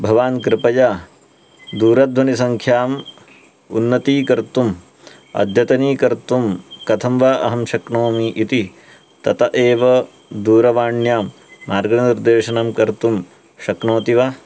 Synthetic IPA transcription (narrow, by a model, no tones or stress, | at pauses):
bʱɐʋaːnkɾɪpɐjaː | d̪uːɾɐd̪ʱʋɐnisɐŋkʰjaːm | unːɐt̪iːkɐɾt̪um | ɐ̰d̪ʱjɐt̪ɐniːkɐɾt̪umkɐt̪ʰɐmʋaʔɐ̰ɦɐmʃɐknoːmiʔit̪i | t̪ɐt̪ɐʔeːʋɐ | d̪uːɾɐʋaːɳjaːmː | aːɾɡɐnɐniɾd̪eːʃɐnɐmkɐɾt̪um | ʃɐknoːt̪iʋa